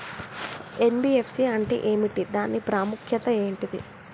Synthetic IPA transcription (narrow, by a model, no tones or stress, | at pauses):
e̞nbiepsiɐɳʈḛʔe̞ːmiʈid̪aːnːipɾaːmukʰjɐt̪ɐe̞ːɳʈid̪ḭ